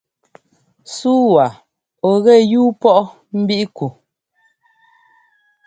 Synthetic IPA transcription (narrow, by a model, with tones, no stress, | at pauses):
suː˦wa˨ | ɔ˨ɣɛ˦˨juː˦pɔ˦ʔɔ˦ | m̩˦bi˦ʔku˨